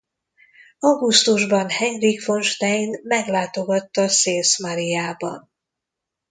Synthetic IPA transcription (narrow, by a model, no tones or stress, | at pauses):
ɒɡust̪uʒbɒnhɛɲrikfo̞nʃt̪ɛjnmɛɡlaːt̪o̞ɡɒt̪ːɒseːlsmɒɾijaːbɒ̰n